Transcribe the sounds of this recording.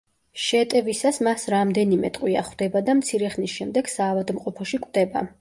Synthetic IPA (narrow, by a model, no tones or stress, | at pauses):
ʃɛt̪ʼɛvisasmasɾamd̪ɛnimɛ̰t̪ʼqʼwia̰χwd̪ɛbad̪amt̪sʰiɾɛχnisʃɛmd̪ɛɡ̥saːvad̪mqʼɔpʰɔʃikʼwd̪ɛba̰